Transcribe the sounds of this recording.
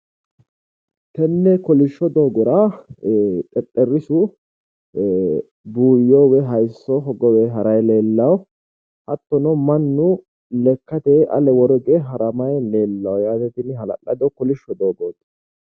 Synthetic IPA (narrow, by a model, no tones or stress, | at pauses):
t̪ɛnːɛkɔlɪʃːɔd̪o̞ːɡɔɾa | t̪ʼɛt̪ʼːɛrːɪsʊ | buːjɔːwɛɦɐjsːɔɦɔɡɔwɛɦɐɾɐjle̞ːlːɐw | hɐt̪ːɔnɔmɐnːʊ | lɛkːɐt̪ɛʔɐ̰lɛwɔɾɔɡɛɦɐɾɐmɐjle̞ːlːɐwjaːt̪ɛt̪ɪnɦɐlɐ̰ʔɐd̪ɔkɔlɪʃːɔd̪oːɡoːt̪ʼː